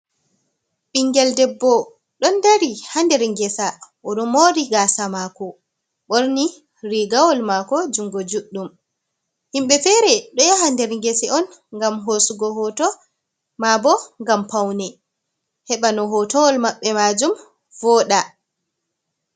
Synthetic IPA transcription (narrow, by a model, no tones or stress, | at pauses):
ɓiŋɡɛldɛbːɔ | ɗɔndaɾihandɛɾŋɡɛsaʔɔɗɔmoɾiɡaːsamakɔ | ɓoɾni | ɾiɡawɔlmakɔd͡ʒuŋɡɔd͡ʒuɗːum | himɓɛfɛɾɛɗɔjahandɛɾŋɡɛsɛɔnŋɡamɦosuɡɔɦɔtɔ | mabɔŋɡampawnɛ | hɛɓanɔɦɔtɔwɔlmaɓːɛmad͡ʒum | vɔːɗa